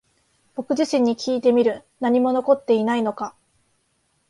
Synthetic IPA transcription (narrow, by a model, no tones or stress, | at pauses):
b̥o̞kɯ̟ʑiɕĩɲ̟ːikʲiːt̪e̞mʲiɾɯ̟naɲ̟imo̞no̞ko̞t̪ːe̞inaino̞ka